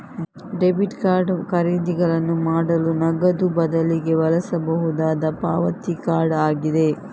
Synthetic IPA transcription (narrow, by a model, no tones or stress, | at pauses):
ɖebiʈkaːɾɖkɐɾiːd̪iɡɐɭɐnːumaːɽɐlunɐɡɐd̪ubɐd̪ɐliɡe̞ʋɐlɐsɐbɐɦud̪aːd̪ɐpa̰ːʋɐt̪ikaːɾɖaːɡid̪e̞